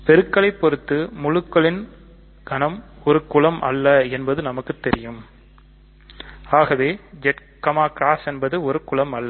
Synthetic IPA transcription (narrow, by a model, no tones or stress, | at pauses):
pɛɾɯkːɐɭɐɪpːɔɾɯt̪ːɯmʊɻɯkːɐɭɪn | ɡ̥ɐnɐmɔɾɯkʊɭɐmʔɐ̰lːɐɛnbɐðɯnɐmɐkːɯt̪ːɛɾɪjɯm | aːɣɐʋeːd͡ʒɛʈ | kɐmaːkɾaːsɛnbɐðɯɔɾɯkʊɭɐmɐlːɐ